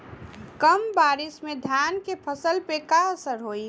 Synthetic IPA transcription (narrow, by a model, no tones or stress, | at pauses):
kəmbaːɾɪsmẽd̪ʱjaːnkepʰəsəlpekaəsəɾɦoːi